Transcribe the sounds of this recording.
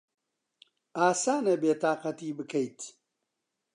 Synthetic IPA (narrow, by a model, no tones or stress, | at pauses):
aːsaːnɐbeːt̪aːqɐt̪iːbɨkʰɐjt̪